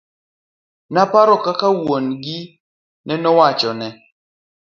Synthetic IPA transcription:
napaɾɔkakawonɡi | nɛnɔwat͡ʃɔnɛ

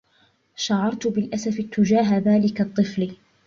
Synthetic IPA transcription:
ʃaʕːɑɾˤt̪bɪlʔasafɪt̪ːʊd͡ʒaːɦaðaːlɪkat̪ˤːɨfl

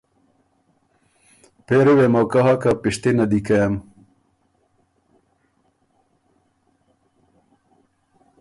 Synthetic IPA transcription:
peɾewemowkaɦakapiʂt̪enad̪ikɐjam

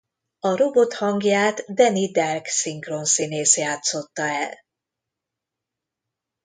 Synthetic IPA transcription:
ɒɾo̞bo̞t̪hɒŋɡjaːt̪d̪ɛnid̪ɛrksiŋkronsineːsjaːt̪so̞t̪ːɒɛl

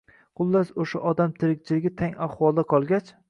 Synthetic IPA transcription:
qʰʊlˠːasoʃaʔɒd̪amt̪ʰɪɾɪk̚ʲt͡ʃʰɪlɪɡʲɪt̪ʰaŋaχwɒlˠd̪aqʰɒlˠɡʲat͡ʃ

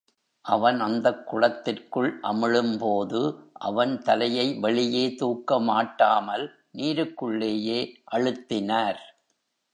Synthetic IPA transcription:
ʔɐʋɐnɐnd̪ɐkːʊɻɐt̪ːɪrkɯɭʔɐmɪɻɯmpoːðɯʔɐ̰ʋɐnt̪ɐlɐjɐɪʋɐɭɪjeːt̪uːkːɐmaːʈːaːmɐl | niːɾɯkːɯɭːeːjeːʔɐɻɯt̪ːɪnaːɾ

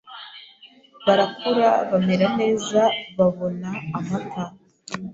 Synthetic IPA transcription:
βaɾakuɾaβame̞ɾane̞ːzaβaβo̞naːmatʰa

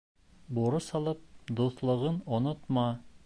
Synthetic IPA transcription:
buɾosɑlˠɤp̚d̪uθlˠɤ̆ʁɤnonot̪mɑ

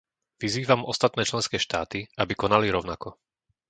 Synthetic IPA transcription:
ʋiziːʋamɔst̪at̪nɛːt͡ʃlɛnskɛːʃt̪aːt̪iabikɔnaliɾɔʊnakɔ

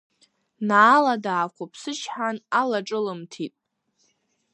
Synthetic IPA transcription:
naːladaːχʷʰapʰsɨt͡ʃʰħanalaʈ͡ʂʼɨlɨmtʰitʼ

